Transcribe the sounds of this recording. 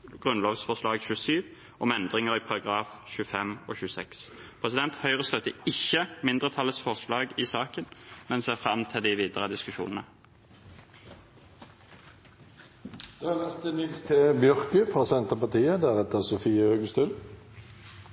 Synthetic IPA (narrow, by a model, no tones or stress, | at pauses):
ɡʁʉnloːʋsfɔʁʂlɑːɡçʉːəsyːʋ | ʔɔmɛnd̪ʁɪŋəʁipʰɑʁɑɡʁɑːfçʉəfɛmoːçʉːəsɛkspʰʁɛsɪd̪ɛnt̪hœʏʁəst̪œt̪ːəɪçːəmɪnd̪ʁət̪ʰɑlət̪sfɔʁʂlɑːɡɪsɑːkənmɛnseːfʁɑmt̪ʰɪld̪ɪʋiːd̪əʁəd̪ɪskʉʃṵːnənə | d̪̥øænɛst̪ənɪlst̪ʰeːbjœʁkəfʁɑːsɛnt̪əʁpɑʁt̪iːəd̪æʁɛt̪əʁsʊfiːəhøːɡəst̪ʉːl